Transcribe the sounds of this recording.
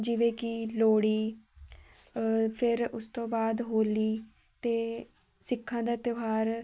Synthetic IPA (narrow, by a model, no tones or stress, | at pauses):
d͡ʒɪʋeːkɪloːɽiː | pʰɪɾʊst̪õːbaːd̪ɦoːliː | t̪eː | sɪkʰːãːd̪aːt̪joɦaːɾ